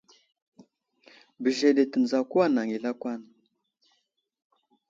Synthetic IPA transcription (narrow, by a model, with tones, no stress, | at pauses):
bə˨ʒe˨de˨tə˨n˨za˨ku˦a˦na˨ŋi˨la˦kʷa˦˨n